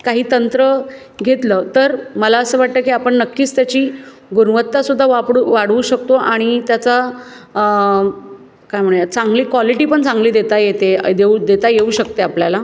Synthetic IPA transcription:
kaɦiːt̪ənt̪ɾə | ɡʱet̪ləːt̪əɾməlaəsəːʋaʈ̚t̪əːkiːapəɳnəkːiːt͡st̪jat͡ɕiː | ɡunʋət̪ːasud̪ʱːaʋapɽuʋaɽʋuːɕəkt̪oʔaɽ̃it̪jat͡sa | kajm̤əɽɳjt͡saŋɡliːkʋɔliʈiːpəɳt͡sãŋɡliːd̪et̪ajet̪ed̪eud̪et̪ajeuɕək̚t̪eapljala

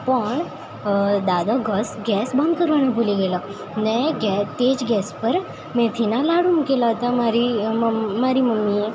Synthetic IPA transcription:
pəɳ | d̪ad̪aɡʱəsɡɛsbʱãnd̪kəɾʋañapuliɡelə | neɡɛt̪et͡sɡɛspəɾ | mɛ̃t̪ʰinalaɽunkelaɦət̪amaɾiː | aɾiməmːije

